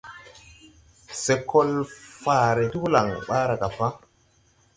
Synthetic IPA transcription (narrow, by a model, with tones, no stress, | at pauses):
se˨kʰo˦lfaː˨ɾe˨tu˦bu˦la˨ŋɓaː˦ɾa˨ka˨pa˦